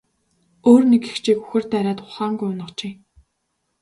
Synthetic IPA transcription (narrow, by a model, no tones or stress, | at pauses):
oːrneke̥xt͡ɕʰiːkuxɘ̆r̥t̪æɾʲaːt̪χʊχaːŋɡujʊnə̆t͡ɕeː